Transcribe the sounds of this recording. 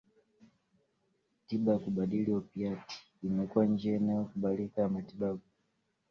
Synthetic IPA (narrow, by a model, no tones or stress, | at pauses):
tiɓaakuɓaɗiliɔpiati̥ | imɛkuand͡ʒianajɔkuɓalikajamatiɓaɓu